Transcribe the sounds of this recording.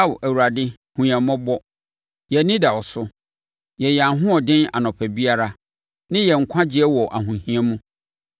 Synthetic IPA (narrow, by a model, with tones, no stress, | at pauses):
a˦wæ˨wu˨ɾa˨dɪ˦ | hũ˨ã˨mɔ̃˦bɔ˦ | jɛ˨˦nĩ˦dɛ˨wɔ˨sʊ˦ | jɛ˨jɛ˨a˨ɦʊ̃˦ɔ˨dɪ̃˦na̰˨nɔ̃˨pʰɛ˨bi˦a˦ɾa˦ | nɪ̃˦jɛ˨ŋ̩˨kʷʰã˦d͡ʑɪ˦ɛ˦wɔ˨ʔa̰˨ɦũ˨hĩ˦a˦mũ˦